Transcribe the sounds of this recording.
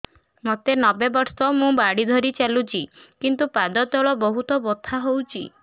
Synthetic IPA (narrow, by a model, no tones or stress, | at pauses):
mot̪enɔbebɔɾsɔmũbaɽid̪ʱɔɾit͡ʃalut͡ʃʰikint̪upad̪ɔt̪ɔɭɔbɔɦut̪ɔbot̪ʰaɦowt͡ʃʰi